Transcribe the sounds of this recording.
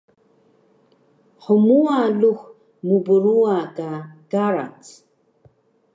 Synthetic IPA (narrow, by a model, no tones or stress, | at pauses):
ħəmualux | mubəɾuakaɡaɾa̰t͡s